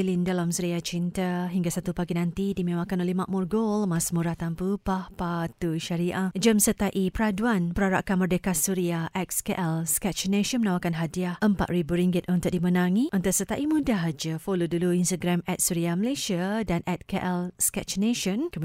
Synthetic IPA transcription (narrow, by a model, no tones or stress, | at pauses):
lindalamsuɾiat͡ʃint̪aɦiŋɡasat̪upaɡinãnt̪idimẽwakanolehmaʔmurɡolmasmuɾat̪ampupahpat̪uʃaɾiʔahd͡ʒəmsət̪aʔipəɾaduanpəɾaɾa̰ʔkanmərdekat̪̚suɾiaʔɛk̚skeʔɛlskɛt͡ʃneʃɔnmənawakanɦadiahəmpa̰t̪̚ribuɾiŋɡɪt̪̚ɔnt̪ʊʔ̚dimənãŋĩʔɔnt̪ʊʔsət̪aʔimũdaɦad͡ʒafoloduluinst̪aɡɾamɛt̪̚suɾiaməlasiadanʔɛt̪̚keʔɛlskɛt͡ʃneʃɔnkə